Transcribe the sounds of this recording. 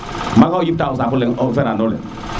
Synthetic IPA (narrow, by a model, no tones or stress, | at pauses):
makajip̚tausap̬ulɛŋɔfɛɾandɔlɛ̰